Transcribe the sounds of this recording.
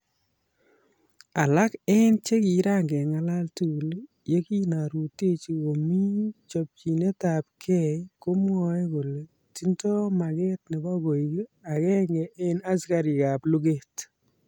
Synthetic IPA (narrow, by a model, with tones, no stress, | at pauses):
a˨la˦kɛ˦nt͡ʃe˦ki˨ɾa˦ŋɡɛ˨ŋa˦la˦ltu˨l | je˦ki˦na˨ɾu˨te˦t͡ʃi˨o˨mi˦t͡ʃɔ˨p̚t͡ʃi˨ne˦ta˨p̚kʰɛ˦ko˦m˦ɔ˨ɛ˦ɡʊ˨le˨ | ti˦ntɔ˦ma˨ɡɛ˦tnɪ˨ba˦ɡo˨i˨ɡa˨kɛ˦ŋɡɛ˨ʔɛ˦na˦ska˨ɾɪ˨ka˨plu˦ɡe˦t